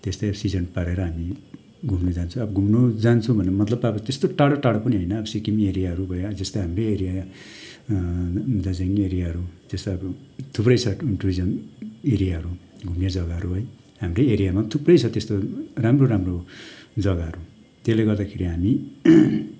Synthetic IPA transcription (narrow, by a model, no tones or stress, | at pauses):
t̪est̪ajbsid͡zʌnpaɾeɾʌɦami | ɡʱumned͡zant͡sʰũʌbʌɡʱumnod͡zant͡sʰũbʱʌnemʌt̪lʌbʌbʌt̪est̪oʈaɽʌʈaɽʌpʌniɦʌjnʌːbʌsikimieɾijaɦʌɾubʱʌd͡zʌst̪aɦamrejeɾija | d̪ad͡zaŋieɾijaɦʌɾutest̪oʌbʌt̪ʰuprʌjt͡sʰʌinʈruid͡zʌneɾijaɦʌɾuɡʱumned͡zʌɡaɦʌɾuɦoj | ɦamrejeɾijamat̪ʰuprʌjt͡sʰʌt̪est̪oramroɾamrod͡zʌɡaɦʌɾu | t̪esleɡʌrd̪akʰeɾiɦami